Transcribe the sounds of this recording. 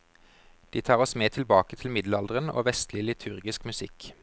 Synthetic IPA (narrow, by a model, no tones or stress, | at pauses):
d̪̥iːt̪ʰɑːʁɔsmeːt̪ʰɪlbɑːkət̪ʰɪlmɪd̪lɑld̪əʁəno̰ːʋɛst̪lɪəlɪt̪ʰʉʁɡɪskmʉsɪk